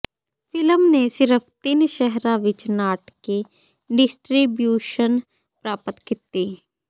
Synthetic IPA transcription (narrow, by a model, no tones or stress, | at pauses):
fʰɪləmnesɪɾəfʰt̪ɪnʃɛɦɾãʋɪt͡ʃnaːʈke | ɖɪsʈɾibjuːʃən | pɾaːpət̪kɪt̪ːiː